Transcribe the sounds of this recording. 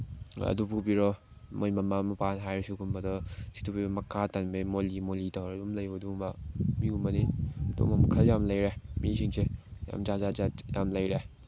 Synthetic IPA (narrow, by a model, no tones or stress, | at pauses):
ɐ̰dupubiɾɔ | mojmɐmamɐpanɦajɾesuɡumbɐdɔsi̥tubibɔmɐkʰatanmemolimolitawɾedumlɐjbɐdumamiumɐnido̰mɐmɐkʰɐljamlɐjɾemisiŋseja̰md͡ʒazaaja̰mlɐjɾe